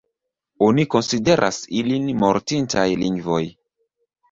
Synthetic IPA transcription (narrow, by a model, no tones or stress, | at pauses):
oniko̞nside̞ɾʔa̰silinmo̞ɾtintajliŋɡvo̞j